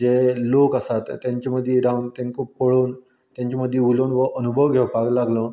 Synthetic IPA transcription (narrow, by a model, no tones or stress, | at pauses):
elokasat̪ːjãɲt͡ɕaməd̪ʱːjeɾauɳt̪jaŋkõpəɭoːn | t̪jãɲt͡ɕaməd̪ʱːjeulonʋəʔənubʱəʋɡʱeʋpaklaɡlə̃